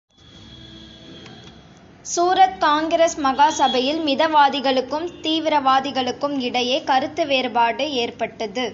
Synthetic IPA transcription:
suːɾɐt̪̚kaːŋɡɾeːsmɐɣaːsɐbɐjɪlmɪðɐʋaːðɪɣɐɭɯkːɯmt̪iːʋɪɾɐʋaːðɪɣɐɭɯkːɯmɪɽɐjeːkɐɾɯt̪ːɯʋeːɾbaːɽɯeːrpɐʈːɐðɯ

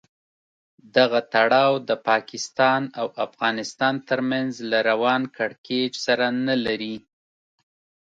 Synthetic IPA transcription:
d̪aɣat̪aɽɑwd̪əpɑkɪst̪ɑnawʔafɣɑnɪst̪ɑnt̪əɾmanzlaɾawɑnkaɽked͡ʒsaɾanalaɾi

